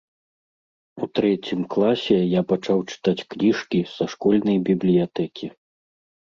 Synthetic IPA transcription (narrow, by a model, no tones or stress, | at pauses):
ut̪ɾɛt͡sʲimklˠasʲɛjapat͡ʂawt͡ʂɨ̥t̪at͡sʲknʲiʂkʲisɐʂkɔlʲnɐjbʲiblʲijat̪ɛkʲʰi